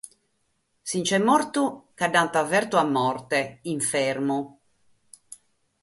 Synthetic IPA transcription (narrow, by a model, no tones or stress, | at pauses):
sint͡ʃɛmːɔɾt̪ukaɖːant̪avɛɾt̪uamːɔrt̪ɛiɱfɛɾmu